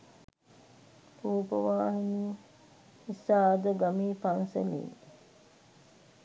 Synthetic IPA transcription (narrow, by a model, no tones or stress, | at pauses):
puːpəʋaːɦini | isːaːd̪əɡamiːfansḛlḭːŋ